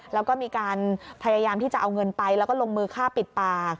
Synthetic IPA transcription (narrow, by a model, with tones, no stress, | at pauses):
lɛː˦˥wkɔː˥˩miː˧kaː˧npʰa˧jaː˧jaː˧mt̪iː˥˩t͡ɕa˨˩ʔa˧wŋɤ˧npa˧jlɛː˦˥wkɔː˥˩lo˧ŋmɯː˧kʰaː˥˩pi˨˩t̪̚paː˨˩k̚